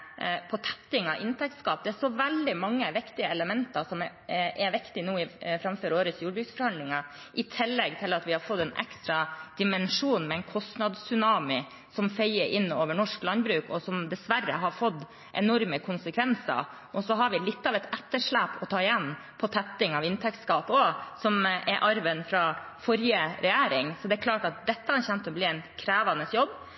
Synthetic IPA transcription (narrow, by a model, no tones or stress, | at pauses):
pʰɔt̪ʰɛ̥t̪ːɪŋɑʔɪnt̪ʰɛk̚t̪skɑːp̚d̪ɛæʂɔʋɛld̪ɪmɑŋːəʋɪkt̪ɪəɛləmɛnt̪ɑsɔm | ɛʋɪkt̪ɪnuːɪfɾɑmføːɾoːɾət̪sjuːɖbɾʉksfɔɾhɑnd̪lɪŋɑ | ʔɪt̪ʰɪlːɛɡ̚t̪ʰɪlɑt̪ʋɪhɑɾfɔt̪ːɛnʔɛ̰kst̪ɾɑd̪̥ɪmɛnʂuːnmɛɛɪnkʰɔst̪nɑːd̪ssʏnɑːmɪ | sɔmfœɪəɾʔɪnːoːʋəɳɔʂklɑnd̪bɾʉːkɔsɔmd̪ɛsʋærːə̰ɦɑɾfɔd̪ | ʔɛ̰nɔɾməkʰʊnsəkʰʋɛnsə̰ɾ | ʔɔsɔɦɑɾʋɪlɪt̪ːɑʋɛt̪ɛt̪ːəʂɭæːpʰɔt̪ʰɑːɪjɛnː | pʰɔt̪ʰɛt̪ːɪŋɑʋɪnt̪ʰɛkt̪skɑːposɔmʔɛɾʔɑɾʋənfɾɑfɔɾjəɾɛjæːɾɪŋsɔd̪ɛːɾkʰlɑːʈɑt̪̚d̪ɛt̪ːəɑçɛnt̪ɔbliːɛɪnkʰɾæːʋɑnəsjɔbː